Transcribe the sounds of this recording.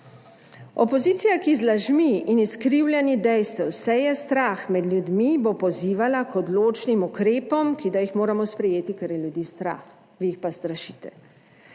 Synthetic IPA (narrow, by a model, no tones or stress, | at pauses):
ɔpɔziːt̪sijakizlaʒmiːniskɾiwlʲjɛnid̪ɛjst̪ɛwsɛjɛst̪ɾaːxmɛd̪lʲjud̪mibopɔziːʋalakɔd̪loːt͡ʃnimukɾeːpɔmkid̪ajixmoːɾamɔspɾɛjeːt̪ikɛɾjɛljud̪iːst̪ɾa̰ːx | ʋijixpast̪ɾaʃiːt̪ɛ̰